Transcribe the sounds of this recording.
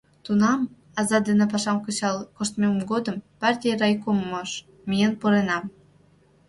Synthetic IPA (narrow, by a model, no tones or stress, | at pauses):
t̪unɑm | ɑzɑd̪enĕp̬ɑʃɑmkə̆t͡ɕɑlkoʃt̪memɡod̪əmpɑrtʲijrɑjkomːoʃ | mijənpoɾenɑm